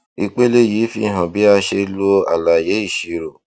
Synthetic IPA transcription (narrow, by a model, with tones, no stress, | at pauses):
i˧k͡pe˦le˦ji˨˦fi˧˦˨ɦã˨bi˨˦a˧ʃe˧˦lo˧a̰˨la˨je˨˦i˦˨ʃi˨ɾo˨